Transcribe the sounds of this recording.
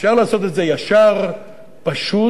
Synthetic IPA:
fʃaʁlaːso̞t̪e̞t̪ze̞jaʃaʁ | paʃu

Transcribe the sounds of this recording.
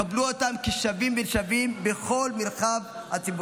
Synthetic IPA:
abluotamkiʃavimbenʃavimbeχo̞lmelχav | hat͡sib

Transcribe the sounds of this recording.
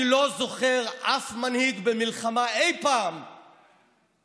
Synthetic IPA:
lo̞zo̞χeʁʔafmanhiɡbemilχamaejpaːm

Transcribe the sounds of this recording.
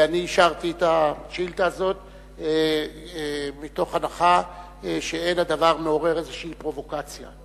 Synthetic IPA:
aniːʃaʁtietaʃilt̪aːzo̞t | mito̞χanaχa | ʃeenad̪avaʁme̞o̞ʁe̞ʁezeʃeipʁo̞vo̞kat͡sja̰

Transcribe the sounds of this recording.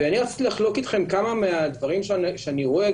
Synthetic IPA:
eaniʁat͡si̥t̪ilaχlo̞kit̪χe̞mkamamead̪vaʁimʃʃeaniʁo̞e

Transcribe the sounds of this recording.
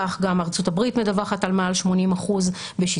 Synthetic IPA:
aχɡamaʁt͡sutabʁitmedavaχatalmalʃmo̞nimaχuz | beʃi

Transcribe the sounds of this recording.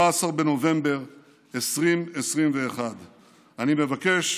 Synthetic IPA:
aːsaʁbe̞no̞ve̞mbe̞ʁ | esʁimesʁimve̞ːχad | anime̞vake̞ʃ

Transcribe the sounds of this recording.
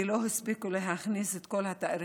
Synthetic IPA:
iloɦispikuleɦaχniset̪kolhat̪aʔaɾ

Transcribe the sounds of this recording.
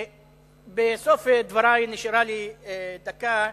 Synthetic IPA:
besofed̪vaɾajniʃɾalid̪aka

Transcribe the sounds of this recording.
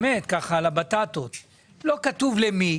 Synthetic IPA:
et̪kaχaːlabat̪at̪ot̪ | lo̞kat̪uvlemi

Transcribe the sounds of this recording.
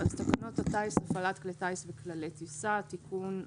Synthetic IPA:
alt̪akanot̪at̪aisafalat̪klet̪aisveklalet̪isat̪ikʰun

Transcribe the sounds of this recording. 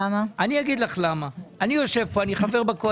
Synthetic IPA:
amaanijaɡid̪laχlamaanijo̞ʃe̞vpo̞aniχave̞ʁbako

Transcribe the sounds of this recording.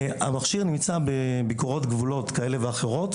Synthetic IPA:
a̰maχʃiʁnimt͡sabebikoʁo̞tɡvulo̞tkae̞le̞veaχe̞ʁo̞t̪

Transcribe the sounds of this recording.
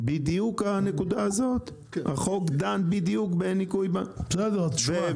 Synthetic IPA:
bid̪ijukanekud̪aːzo̞t̪ | ha̰χokd̪anbid̪ijukbenikujbab̥sed̪eve

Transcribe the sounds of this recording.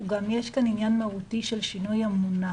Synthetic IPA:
uɡamjaʃkaninjanmawut̪iʃɐlʃinojamːunːa

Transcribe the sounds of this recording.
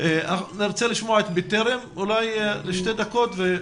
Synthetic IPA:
eaaχniɾt͡seliʃmoaet̪bit̪eɾemulajleʃt̪ed̪ako̞t̪ve

